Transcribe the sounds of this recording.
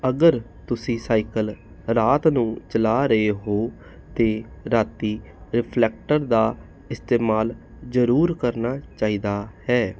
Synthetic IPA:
əɡəɾ | t̪ʊsĩːsaːikəl | ɾaːt̪nũːt͡ʃəlaːɾəeːɦoː | t̪eːɾaːt̪iː | ɾɪpʰlɛːk̚ʈəɾd̪aː | ɪst̪eːmaːl | zəɾuːɾkəɾnaːt͡ʃaːiːd̪aːhɛː

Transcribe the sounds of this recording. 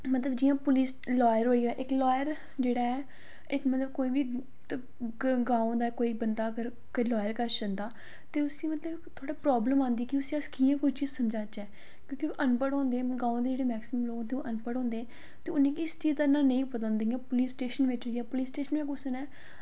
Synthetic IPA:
mət̪ləbd͡ʒijãːpʊliːs | lɔːjəɾɦoːijaːʔɪklɔːjəɾ | d͡ʒeːɽaːɛː | ɪkmət̪ləbkoːiːʋiː | ɡãːõd̪aːkoːiːbənd̪aːəɡəɾ | kilɔːjəɾkəɾʃənd̪aː | t̪eːʊsĩːmət̪ləbkt̪ʰoːɽaːpɾɔːbləmãːnd̪iɛkɪʊsĩəskiːãːkʊit͡ʃiːzsəmd͡ʒaːt͡ʃɛː | kjõːkioːʔənpəɽɦɔ̃ːnd̪eːɛ̃ɡãːõd̪eːd͡ʒeːɽeːmɛːksɪməmloːɡ̃t̪eːoʔənpəɽɦɔ̃ːnd̪eːɛ̃ː | t̪eːʊnẽːkiɪst͡ʃiːzd̪aːnãːnə̃ĩːpət̪ənd̪ijãːpʊliːsʈeːʃənʋɪt͡ʃɦoːijaːpʊliːsʈeːʃənʋekʊsənɛː

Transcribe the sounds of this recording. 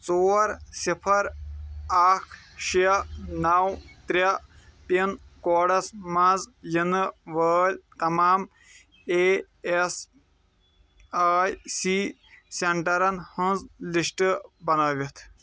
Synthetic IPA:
t͡soːɾsipʰɐɾ | aːkʰʃijɐnaːwt̪ɾʲɐ | t̪inkoːɖɐsmãːzjinɨʋəːlʲt̪ɐmaːm | eː | es | aːjsiː | seɳʈɐɾɐnhənzlisʈɨbɐnaːʋit̪ʰ

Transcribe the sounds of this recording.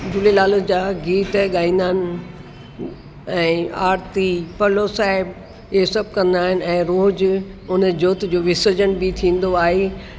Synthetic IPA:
d͡ʑʊlelaːləd͡ʑaːɡiːt̪ɠaːĩːnd̪aːnɪ̆ | ɛ̃ːaːɾt̪ipɐloːsaːɪb | esɐb̚kɐ̃nd̪aːɦɪn̆ɛ̃ːɾoːd͡ʑʊnə̆d͡ʑoːt̪d͡ʑoːʋɪsəd͡ʑəɽ̃bɪt̪ʰĩːn̆d̪oaːɦeː

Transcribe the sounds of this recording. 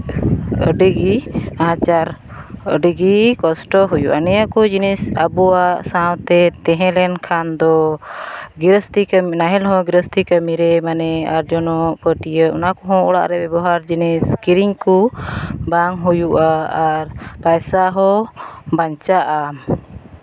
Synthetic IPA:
ə̰ɖiɡiaɦãt͡ʃaɾ | ə̰ɖiɡikɔsʈɔɦujuʔa̰nɛjakɔd͡ʒinisabuwasawt̪ɛt̪ɛ̃ɦɛ̃lɛnkʰand̪ɔ | ɡiɾəst̪iknaɦɛlɦɔ̃ɡiɾəst̪ʰikəmiɾɛmanɛaɾd͡ʒɔnɔpəʈijəɔnakɔɦɔ̃ʔɔɽa̰ʔɾɛbɛbɔɦaɾd͡ʒiniskiɾiŋkubaŋɦujuʔaaɾpajsaɦɔbaɲt͡ʃaʔa

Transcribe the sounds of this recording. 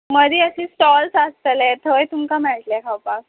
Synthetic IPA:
məd̪ʱiːəsisʈɔlsast̪əlɛt̪ʰəjt̪umkamɛɭʈ̪lɛkʰawpak̚

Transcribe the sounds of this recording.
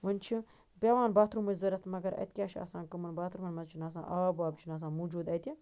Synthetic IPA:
ʋɐnʲt͡ʃʰi | pʲɐʋaːnbaːt̪ʰɾumɐzɐɾɐt̪ʰmɐɡɐɾɐ̰t̪̚kʲjaːʃʰiɐ̰sãːnkɨmɐnbaːt̪ʰɾumɐnmɐzt͡ʃʰinaːs̬ã̰ːʔaːbaːbt͡ʃʰinaːs̬ãːnmuːd͡ʒuːd̪ɐt̪ʰʲi

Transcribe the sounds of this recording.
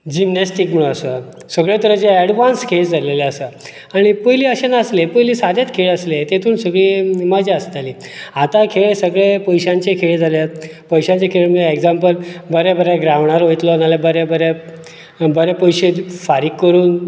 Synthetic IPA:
d͡ʑimnesʈikm̤əɭ̃uəso | səɡɭet̪əɾət͡ɕeːɽʋanskʰesd͡zʱaleleəsə | aɽ̃ipəɦliːəɕenəslepəjliːsad̪jat̪kʰeɭəslet̪et̪ʰuːnsəɡɭiːməd͡ʑaəst̪aliːat̪ãkʰeɭsəɡɭepəjɕãɲt͡ɕekʰeɭd͡zʱalja | pəjɕãɲt͡ɕekʰeɭm̤əeɡd͡zampəlbəɾabəɾjaɡɾaʋɳ̃aɾɦojt̪lonalabəɾabəɾja | bəɾapəjɕefaɾikːəɾuːn

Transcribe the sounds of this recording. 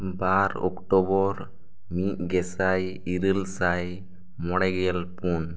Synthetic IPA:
baɾɔ̰kʈɔbɔɾ | miʔ̚ɡɛsaj | iɾəlsaj | mɔɽɛɡɛjəlpun

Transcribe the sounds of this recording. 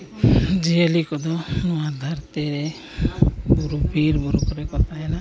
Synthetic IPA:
d͡ʒiəlikɔd̪ɔnɔad̪ʱaɾt̪ɛɾe | buɾubʱiɾbuɾukɔɾɛkɔt̪aɛna

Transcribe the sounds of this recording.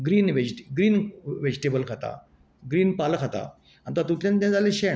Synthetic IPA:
ɡɾiːnʋed͡ʑʈɡɾiːnʋed͡ʑiʈebəlkʰat̪a̰ | ɡɾiːnpalkʰat̪a̰ | ant̪at̪ut̪ljãnt̪ãd͡zaleɕeɳ

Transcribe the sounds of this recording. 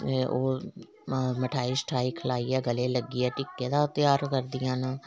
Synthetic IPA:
oː | məʈʰaːiːsʈɾaːiːkʰəlaːiːɛːɡəleːləɡːiːɛːʈɪkːẽːd̪aːt̪ɪjaːɾkəɾd̪ɪjãːnaː

